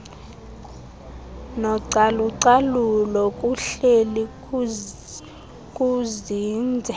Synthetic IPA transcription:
nɔǀaluǀalulɔkʼuɬeli | kʼuziːnd͡zʱɛ

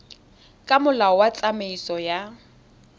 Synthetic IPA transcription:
kʼamʊlaɔwat͡sʼameisɔja

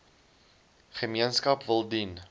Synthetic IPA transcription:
χəmiənskɐpvəlˠdin

